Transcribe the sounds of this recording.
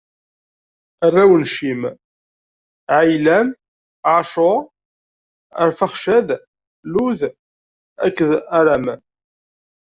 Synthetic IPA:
ərˤːæwənʃim | ʕajlæm | ʕaʃo | əɾfaχʃæð | luð | ækːəðæɾæmæ

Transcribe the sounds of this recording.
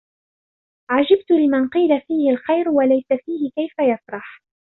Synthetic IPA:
ʕad͡ʒab̚t̪ʊlɪmanqiːlafiːhɪlxajɾwalajsafiːhɪkajfajasɾˤɑħ

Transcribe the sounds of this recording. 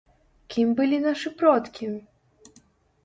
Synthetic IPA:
kʲimbɨlʲinaʂɨpɾɔt̪kʲim

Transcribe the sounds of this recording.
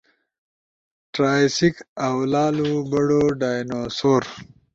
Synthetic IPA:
ʈɾaːjsikawlɑːlubɐɽoɖajnosoːɾ

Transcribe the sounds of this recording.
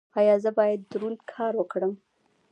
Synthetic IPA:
ɑjɑzəbɑjad̪̚ːɾunkʰɑɾwəkɽəm

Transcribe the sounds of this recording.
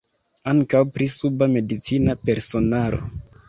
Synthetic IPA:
aŋkawpɾisubame̞dit͡sinape̞ɾso̞naɾo̞̰

